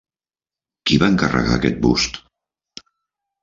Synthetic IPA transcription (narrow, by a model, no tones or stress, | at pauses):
kiβaəŋkərə̰ɣa̰ːkɛt̪̚bust̪